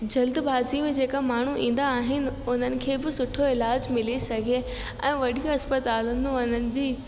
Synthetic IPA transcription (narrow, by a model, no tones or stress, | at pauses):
d͡ʑɐld̪baːzimẽd͡ʑeːkamaːɳ̤uʔḭ̃ːn̆d̪aːɦɪnɪ̆ʊn̤ənɪ̆kʰeːbɪsʊʈʰoɪlaːd͡ʑmɪlisɐɡʱie | ɛ̰̃ːʋɐɽijõɐspət̪aːlənɐnənɪ̆d͡ʑiː